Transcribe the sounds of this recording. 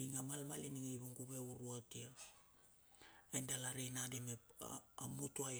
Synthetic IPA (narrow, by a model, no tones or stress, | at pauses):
iŋamalmaliniŋejβuŋɡuβe̞uɾuatia | ajndalaɾejnadimḛamutua